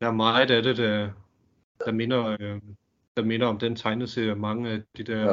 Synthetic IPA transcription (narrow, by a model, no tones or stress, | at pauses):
d̥æɐmɑ̈dæɐde̝d̥æ | d̥ɑ̈me̝nɐ | d̥ɑ̈me̝nɐɒ̽md̥ent͡sʰɑ̈ɪnəðˠseæmɑ̈ŋəæd̥id̥ɛɐ